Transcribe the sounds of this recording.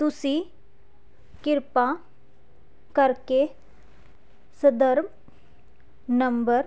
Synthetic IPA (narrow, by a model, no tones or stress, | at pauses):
t̪usĩ | kɪɾpa | kəɾke | səd̪əɾm | nəmbəɾ